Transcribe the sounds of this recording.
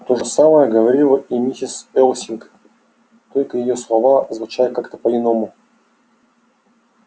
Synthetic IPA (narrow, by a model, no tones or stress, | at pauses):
t̪o̞ʐəsaməjəɡəvɐɾʲilˠəʔimʲitʲɪsɛlˠsʲɪnk | t̪o̞lʲkəjɪjo̞slˠɐvazvʊt͡ɕajkakt̪ə̥pəɪno̞mʊ